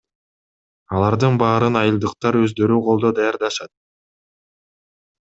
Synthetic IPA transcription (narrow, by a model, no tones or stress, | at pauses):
ɑlˠɑɾd̪ɯnbɑːɾɯnɑjɯlˠd̪ɯqt̪ɑɾø̞zd̪ø̞ɾyqʰo̞lˠd̪o̞d̪ɑjɑɾd̪ɑʃɑt̪̚